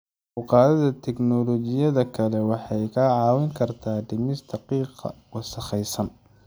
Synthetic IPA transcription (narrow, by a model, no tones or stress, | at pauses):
ʊqɑːðɐðɐt̪ʰɛknɔlɔt͡ʃɪjɐðɐkʰɐlɛwɑħɑjkʰɐʕɑːwɪŋkʰɐrt̪ʰaːɖɪmɪst̪ʰɐqiːqɑ̰wɑsɐχɛjsɐn